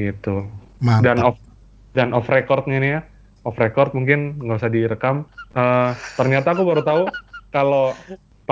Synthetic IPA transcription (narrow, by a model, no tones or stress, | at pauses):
it̪u | adanɔf | danɔfrekɔrt̪̚ɲainija | ɔfrekɔrt̪̚muŋkɪnŋɡabisadiɾəkamʔət̪ərɲat̪aːkubaɾut̪aukalo | p